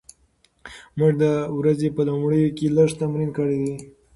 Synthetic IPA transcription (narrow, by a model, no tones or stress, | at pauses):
muʐd̪əwɾazepəlumɽəjokeləʂt̪amɾinkəɽed̪i